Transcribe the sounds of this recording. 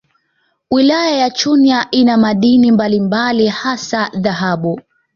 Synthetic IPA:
wilajajat͡ʃuniaʔinamaɗinimbalimbalihasaðaɦaɓu

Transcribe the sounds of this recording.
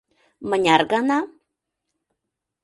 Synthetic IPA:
mənʲarɡana

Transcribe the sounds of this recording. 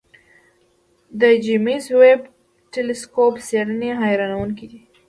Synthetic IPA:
d̪əd͡ʒimizweb | ʈelɪskopseɽəneɦajɾɑnawuŋkid̪i

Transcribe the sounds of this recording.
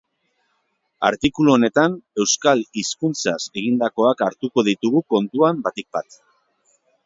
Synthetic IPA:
a̰ɾt̪ikuluone̞t̪ane̞wskaliskunt͡sase̞ɣ̞ind̪ako̞akaɾt̪uko̞ð̞it̪uɣuko̞nt̪uambat̪ik̚bat̪

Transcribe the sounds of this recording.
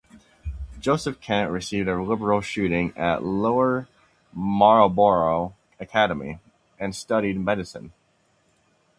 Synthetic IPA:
d̥ʒ̥oʊsɨfkʰæ̃nʔɹɨsivdɨlɪbə˞l̩ˠʃʉɾɪ̃ŋɨʔloʊə˞ | mɑɹoʊbɔɹoʊ | ɨkʰæɾəmḭ | ɨ̃nstʌɾid̚mɛɾɨsɨ̰̃n

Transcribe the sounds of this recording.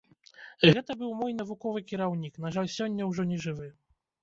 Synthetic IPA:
ɣɛt̪ɐbɨwmɔjn̪ɐvukɔvɨkʲiɾawnʲiknaʐalʲsʲɔnʲːɐwʐɔnʲɛʐɨvɨ

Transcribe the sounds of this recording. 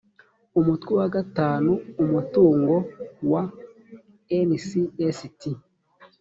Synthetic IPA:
umutkwiwaɡataːnuːmutuːŋɡowa | ensiesiti

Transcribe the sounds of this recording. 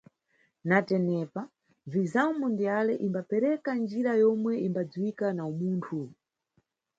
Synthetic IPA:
natɛnɛpa | vizamundijalɛʔimbapɛɾɛkand͡ʒiɾajɔmwɛimbad͡zwikanaumuːntʰu

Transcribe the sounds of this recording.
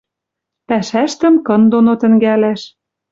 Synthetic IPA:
pæʃæʃt̪ə̆mkɤ̆nd̪onot̪ə̆ŋɡælæʃ

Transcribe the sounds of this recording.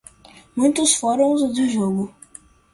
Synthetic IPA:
mũj̃t̪ʊsfɔɾõw̃zd̪ʊʒoɡʊ

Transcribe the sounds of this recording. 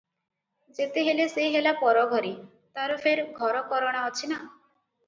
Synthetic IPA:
d͡ʒet̪eɦelesejɦelapɔɾɔɡʱɔɾi | t̪aɾɔpʰeɾɡʱɔɾɔkɔɾɔɽ̃aɦɔt͡ʃʰina

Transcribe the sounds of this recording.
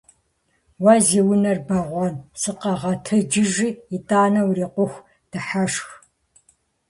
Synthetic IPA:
wɐziwʊnɐrbɐʁʷɔnsɨqɐʁɐtʰɨd͡ʒɪʒiitʼaːnɐwriːqʷʊxʷ | d̥ɨħaʂx

